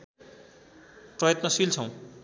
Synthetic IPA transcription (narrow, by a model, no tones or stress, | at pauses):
prʌjʌt̪nʌsilt͡sʰʌ̃w̃